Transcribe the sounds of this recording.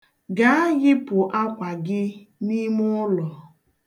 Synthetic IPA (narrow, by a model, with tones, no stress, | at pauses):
ɡa˨˦ɣɪ˦pʊ˨ʔa˦kʷa˨ɡɪ˦ni˦mʊ˦lɔ˨